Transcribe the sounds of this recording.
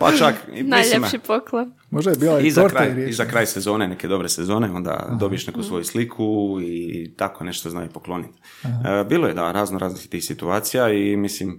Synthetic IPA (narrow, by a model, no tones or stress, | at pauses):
pa̰t͡ʃaknajʎemʃipoklˠon | moʒd̪ajebiːlizaɾkɾajizakɾaːjsezo̞ːne̞neke̞d̪o̞bɾesezo̞ːneo̞nd̪a̰d̪o̞bije̞ʃnekusʋo̞juslikʰuit̪akone̞ʃt̪ozna̰ːjipoklˠo̞nit̪ː | biːlojed̪aɾaːznoɾaːznist̪iːxsit̪uaːt̪sijaimislim